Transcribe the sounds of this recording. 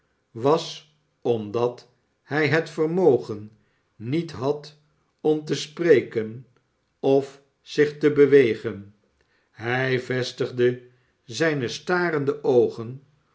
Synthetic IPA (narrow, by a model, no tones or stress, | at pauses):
ʋɑs | ɔmdɑt | hɛjɦətfərmowχənː | itɦɑt | ɔmt̬əsprejkən | ɔf | sɪχtəbəʋejχən | ɦɛjvɛstəχdə | zɛjnəstaːrəndəʔowχən